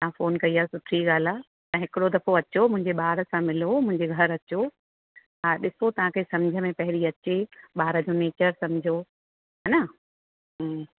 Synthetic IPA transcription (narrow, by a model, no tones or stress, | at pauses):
t̪ɐãfoːnkɐiaːsʊʈʰɾiɠaːl̤a | t̪ɐɦɪkɪɽod̪ɐfoɐt͡ɕomʊ̃ɦɪ̃ɲd͡ʑeɓaːɾə̆sãmɪlomʊ̃ɦɪ̃ɲd͡ʑeɡʱɐɾɐt͡ɕo | aːɗɪsot̪ɐʋ̤ãkʰeːsɐ̃md͡ʑʱəmẽpɐɦɪɾiɐt͡ɕeɓaːɾəd͡ʑoneːt͡ɕəɾsɐ̃md͡ʑʱo | ɦana | ɦ